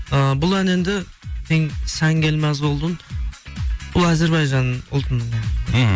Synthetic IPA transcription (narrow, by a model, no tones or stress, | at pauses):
əbʊlˠæne̞nd̪ɪ | t̪ʰeŋsæŋɡʲelmæzbolˠd̪ən | b̥ʊlˠæze̞ɾbɑjʒɑnʊ̰lˠt̪ən